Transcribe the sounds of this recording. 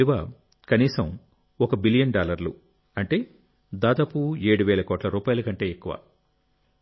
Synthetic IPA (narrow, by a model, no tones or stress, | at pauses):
iʋaː | kɐniːsɐm | ɔkɐbilijɐɳɖaːlɐɾlṵ | ɐɳʈe̞ː | d̪aːd̪aːpueːɽuʋeːlɐkoːʈlɐɾuːpaːjɐlɐkɐɳʈe̞ːekːuʋa̰ː